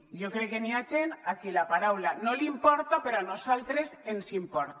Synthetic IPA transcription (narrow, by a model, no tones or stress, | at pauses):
ʎokɾekːeniad͡ʒenakilapaɾawlanolimpɔɾt̪opeɾoanosalt̪ɾesensimpɔɾt̪